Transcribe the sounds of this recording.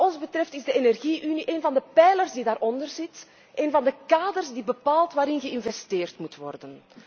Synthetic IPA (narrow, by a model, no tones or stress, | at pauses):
ɔnzbətrɛftɪzdəenɛrɣiʔyniʔeːnvɑndəpɛjlərzdidaːɾɔndərzɪt | ʔeːnvɑndəkaːdərzdibəpaːlˠtʋaːɾɪnɣəɪnvɛsteːrtmutʋɔ̰rdən